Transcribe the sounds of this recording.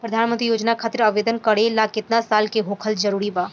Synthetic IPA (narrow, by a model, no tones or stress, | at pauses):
pɾɐd̪ʱaːnmə̃nt̪ɾijoːd͡ʒnakʰaːt̪ɪɾɐʋeːd̪ənkəɽelakɪt̪nasaːlkeɦoːkʰəld͡ʒɐɾuːɾibaː